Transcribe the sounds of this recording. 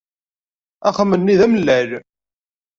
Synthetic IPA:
æχəmːənːiðæməlːæl

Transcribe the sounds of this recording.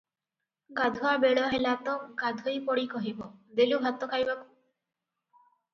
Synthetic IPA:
ɡad̪ʱuabeɽɔɦelat̪ɔɡad̪ʱojpɔɽikɔɦibɔd̪elubʱat̪ːɔkʰajbaku̥

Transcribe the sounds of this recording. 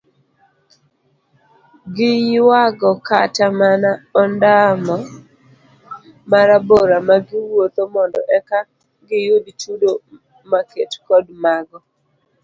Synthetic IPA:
ɡɪjwaɡɔkatamanaɔndamɔ | maɾaboɾamaɡɪwwot̪omɔndɔ̰ʔɛka | ɡɪjoditudo | maketkɔdmaɡɔ

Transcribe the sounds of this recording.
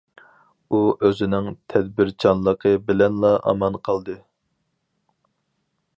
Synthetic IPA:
uøzɪnɪŋt̪ʰɛd̪̚bɪɾt͡ʃʰɑnlˠəqʰəbɪlɛnlˠɑʔɑ̰mɑnqʰɑlˠd̪ɨ

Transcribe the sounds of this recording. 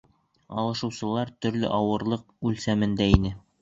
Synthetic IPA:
ɑ̰lˠɤ̆ʃɤ̆wsɤ̆lˠɑɾt̪ɵ̆ɾlɘ̰ʔɑwɤ̆ɾlˠɤq̚ | ʉlsæmɘ̆nd̪æinɘ

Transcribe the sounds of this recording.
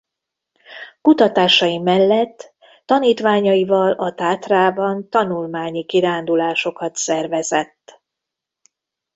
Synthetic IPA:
kut̪ɒt̪aːʃɒjimɛlːɛt̪ː | ɒniːt̪ʋaːɲɒjivɒlɒt̪aːt̪raːbɒnt̪ɒnulmaːɲikiɾaːnd̪ulaːʃo̞kɒt̪sɛrvɛzɛt̪ː

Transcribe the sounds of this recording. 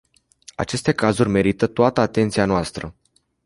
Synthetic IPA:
a̰t͡ʃe̞st̪e̞kazurʲme̞ɾit̪ət̪oat̪əat̪e̞nt̪sianoast̪ɾə

